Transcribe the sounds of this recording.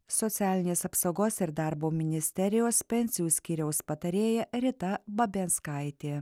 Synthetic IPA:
sɔt̪sʲæːlʲɪnʲeːsɐpsɐʊɡoːsɪɾd̪ɑˑɾboːmʲɪnʲɪsʲt̪ʲɛɾʲɪjoːspʲɛnʲsʲɪjuːsʲkʲiːɾʲɛʊspɐt̪ɐɾʲeːjɛɾʲɪt̪ɐbɐbʲɛnskɐɪt̪ʲeː

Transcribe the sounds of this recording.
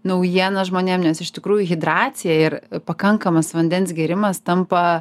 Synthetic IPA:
nɐʊjiɛnɐʒmoːnʲeːmnʲɛsɪʃt̪ʲɪkɾuːjʊɣʲɪd̪ɾɑːt̪sʲɪjɛɪrpɐkɐŋkɐmɐsʋɐnʲd̪ʲɛnʲsɡʲɛːɾʲɪmɐst̪ɐmpɐ

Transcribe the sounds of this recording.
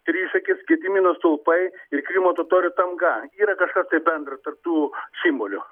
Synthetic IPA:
t̪ʲɾʲiːʃɐkʲɪsɡʲɪd̪ʲɪmʲinɐst̪olˠpɐɪɪrkɾʲimoːt̪oːt̪oːɾʲʊt̪ɐmɡɐiːɾɐkɐʃkɐst̪ɐɪbʲɛnd̪ɾɐt̪ɐrp̚t̪uːsʲɪmbolʲʊ

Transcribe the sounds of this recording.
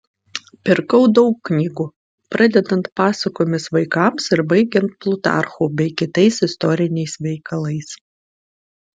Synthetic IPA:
pʲɪɾkɐʊd̪ɒʊkːnʲiːɡuː | pɾɑd̪ʲɛd̪ɐnt̪pɑːsɐkoːmʲɪsʋɐɪkɑˑmsɪɾbɐɪɡʲɛnt̪̚plˠʊt̪ɑ̰ˑɾxuːbʲɛɪkʲɪt̪ɐɪsɪst̪ɔɾʲɪnʲɛɪsʋʲɛɪkɐlˠɐɪs

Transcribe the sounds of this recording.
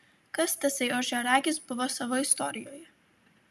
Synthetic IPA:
kɐst̪ʲɐsʲɐɪɔʒʲɛɾɑːɡʲɪsbʊʋoːsɑʋoːɪst̪ɔːɾʲɪjoːjɛ

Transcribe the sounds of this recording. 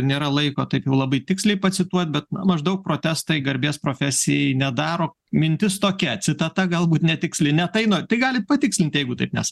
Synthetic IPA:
nʲeːɾɐlˠɐɪkoːt̪ɐɪpjɛʊlˠɐbɐɪt̪ʲɪksʲlʲɛɪpɐsʲɪt̪uɔt̪̚ʲbʲɛt̪̚nɐmɐʒd̪ɐʊk̚pɾoːt̪ʲæːst̪ɐɪɡɐɾʲbʲeːspɾoːfʲæːsʲɪjɛɪnʲɛd̪ɑːɾoː | mʲɪnʲt̪ʲɪst̪oːkʲɛt͡ssʲɪt̪ɐt̪ɐɡɐlˠbuːt̪nʲɛt̪ʲɪksʲlʲɪnʲɛt̪ɐɪnoːt̪ɐɪɡɑːlʲɪt̪̚pɐt̪ʲɪksʲlʲɪnt̪jɛɪɡʊt̪ɐɪpnʲɛ̰s

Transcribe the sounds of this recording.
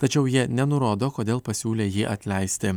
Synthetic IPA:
t̪ɐt͡ʃʲɛʊjiɛnʲɛnʊɾoːd̪oːkoːd̪ʲeːlˠpɐsʲuːlʲeːjiːʔɐt̪ʲlʲɛɪsʲt̪ʲɪ

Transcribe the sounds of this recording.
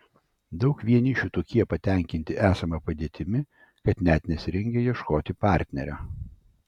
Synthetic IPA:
d̪ɒʊkʋʲiɛnʲɪʃʲut̪oːkʲiɛpɐt̪ʲɛˑŋʲkʲɪnʲt̪ʲɪʔæːsɐmɐpɐd̪ʲeːt̪ʲɪmʲɪ | kɐt̪nʲæːt̪ʲnʲɛsʲɪɾʲɛŋʲɡʲɛjiɛʃkoːt̪ʲɪpɑˑɾʲt̪ʲnʲɛɾʲæ

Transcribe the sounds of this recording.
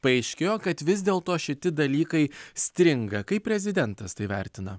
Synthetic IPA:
pɐɛɪʃʲkʲeːjoːkɐt̪ʋʲɪzʲd̪ʲeːlˠt̪oːʃʲɪt̪ʲɪd̪ɐlʲiːkɐɪsʲt̪ʲɾʲɪŋɡɐkɐɪppʲɾʲɛzʲɪd̪ʲɛnt̪ɐst̪ɐɪʋʲɛ̰ɾʲt̪ʲɪnɐ

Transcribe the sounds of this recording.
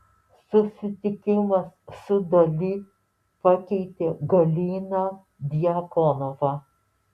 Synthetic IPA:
sʊsʲɪt̪ʲɪkʲɪmɐsːʊd̪ɐlʲiː | pɐkʲɛɪt̪ʲeːɡɐlʲiːnɐ | d̪ʲɪjɐkɔnoʋɑ

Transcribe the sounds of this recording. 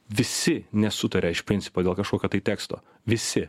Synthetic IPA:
ʋʲɪsʲɪnʲɛsʊt̪ɐɾʲɛɪʃpʲɾʲɪnʲt͡s̪sʲɪ̥poːd̪ʲeːlˠkɐʃkoːkʲoːt̪ɐɪt̪ʲæːkst̪o̰ː | ʋʲɪsʲɪ

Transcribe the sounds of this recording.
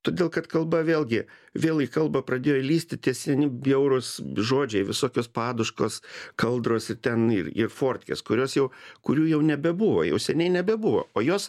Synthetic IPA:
t̪oːdʲeːlˠkɐt̪kɐlˠbɐʋʲeːlʲˠɡʲɪʋʲeːlˠikɐlˠbɐpɾɐd̪ʲeːjolʲiːsʲt̪ʲɪtt̪ʲiɛsʲiɛnʲɪbjɛʊɾʊsʒoːd͡ʒʲɛɪʋʲɪsoːkʲoːspɑːd̪ʊʃkoːskɐlˠd̪ɾoːsɪɾt̪ʲɛnɪ̰rɪ̰rfoːrʲt̪ʲkʲḛːskʊɾʲoːsjɛʊkʊɾʲuːjɛʊnʲɛbʲɛbʊʋo̰ːjɛ̰ʊsʲɛnʲɛɪnʲɛbʲɛbʊʋo̰ːoːjoːs

